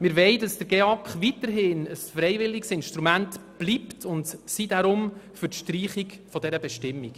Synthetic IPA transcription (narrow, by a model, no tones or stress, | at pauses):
mɪɾʋɛɪdɑsd̥əɾɡ̥eɑkχʋitəɾɦɪnəsfɾɛɪʋɪlːiksɪnʃtɾumæntb̥liptʰʊntsidaɾʊmfʏɾtʃtriːχikfɔdɛɾəbɛʃtɪmːik